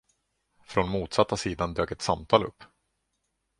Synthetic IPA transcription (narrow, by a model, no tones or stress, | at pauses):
fɾɔnmuːt̪sat̪ːasiːd̪and̪øːkɛt̪samt̪ʰɑːlɵ̰pː